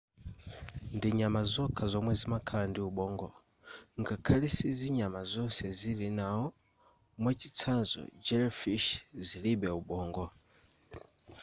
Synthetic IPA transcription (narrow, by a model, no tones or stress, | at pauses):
ndiɲamazɔkʰazɔmwɛzimakʰandiuɓɔːŋɡɔ | ŋkakʰalɛsiziɲamazɔnsɛzilinaɦɔ | mwat͡ʃit͡sʰanzɔ̰d͡ʒɛlfiʃziliɓɛuɓɔːŋɡɔ